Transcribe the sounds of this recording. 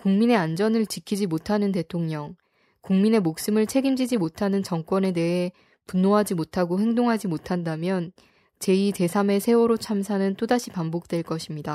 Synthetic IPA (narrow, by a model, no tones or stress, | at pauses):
kuŋmine̞and͡ʑʌnɯɭt͡ɕikʰid͡ʑimotʰanɯnte̞tʰoŋɲʌŋ | kuŋmine̞mok̚s͈ɯmɯɭt͡ɕʰe̞ɡimd͡ʑid͡ʑimotʰanɯnt͡ɕʌŋk͈wʌne̞de̞ɦe̞ | punːoɦad͡ʑimotʰaɡoɸe̞ŋdoŋɦad͡ʑimotʰandamjʌn | t͡ɕe̞ite̞sʰame̞sʰe̞oɾot͡ɕʰams̬ʰanɯnt͈odaɕʰipambok̚t͈we̞ɭk͈ʌɕʰimɲida